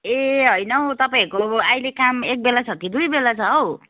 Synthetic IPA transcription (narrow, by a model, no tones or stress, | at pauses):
eɦʌjnʌot̪ʌpaĩʌkoajlekamek̚belat͡sʰʌkid̪ujbelat͡sʰʌːw